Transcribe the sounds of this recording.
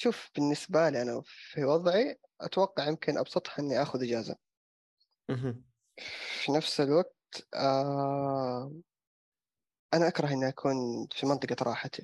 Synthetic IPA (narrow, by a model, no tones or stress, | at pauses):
ʃuːfb̥ɪnːɪsbaliːʔanafiwɑðˤʕi | ʔa̰t̪wɑqːɑʕjɪmkɪnʔɑ̰bsˤɑt̪ˤhʔɪnːiʔaxʊðʔɪd͡ʒaːza̰ | finafsɪlwaɡ̚t̪a | ʔanaʔakɾˤɑɦʔɪnːiʔakʰuːnfimɑnt̪ˤɨqɑɾˤɑ̰ːħat̪ʰi